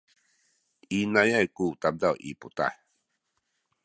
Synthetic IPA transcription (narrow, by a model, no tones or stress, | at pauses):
inajajkut̪ab̚dawʔḭput̪a̰j